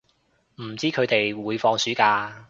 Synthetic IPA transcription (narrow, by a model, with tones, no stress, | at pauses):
m̩˨˩t͡siː˥kʰɵ˨˧t̪e˨jwuː˨˧jfɔː˧ŋsyː˨˥kaː˧